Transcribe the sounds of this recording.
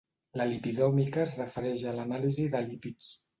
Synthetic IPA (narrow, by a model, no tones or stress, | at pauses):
ləlipiðɔmikəzrəfəɾɛʃələnaliziðəlipit͡s